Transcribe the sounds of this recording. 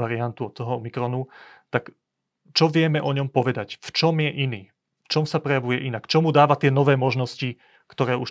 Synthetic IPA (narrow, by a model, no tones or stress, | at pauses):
aɾiant̪uɔt̪ːɔɦɔmikɾɔnut̪ak | t͡ʃɔʋɪɛmɛʔɔɲɔmpɔʋɛd̪acft͡ʃɔmjɛʔiniː | ft͡ʃɔmsapɾɛjaʋujɛʔinakt͡ʃɔmud̪aːʋat̪ɪɛnɔʋɛːmɔʒnɔsci | kt̪ɔɾɛːuʃ